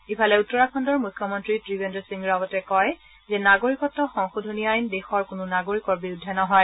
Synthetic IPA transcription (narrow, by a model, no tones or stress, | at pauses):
ipʰalɛutːɔɹakʰɔndɔɹmujkʰːɔmɔntɹitɹibendɔsiŋɹabɔtɛkɔj | zɛnaɡoɹikɔtːɔxɔŋxodʱuniajnbexɔɹkʊnʊnaɡoɹikɔɹbiɹudʱːɛnɔɦɔj